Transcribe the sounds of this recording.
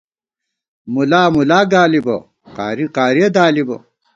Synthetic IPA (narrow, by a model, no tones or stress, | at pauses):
mulaːmulaːɡaːlibɐ̰ | qa̰ːɾiqaːɾiɐd̪aːlibɐ̰